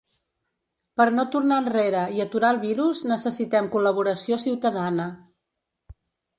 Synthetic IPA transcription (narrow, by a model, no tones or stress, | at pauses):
pəɾnot̪uɾnaənreɾəiət̪uɾalˠβiɾuznəsəsit̪ɛmkuləβ̞uɾəsiosiwt̪əðanə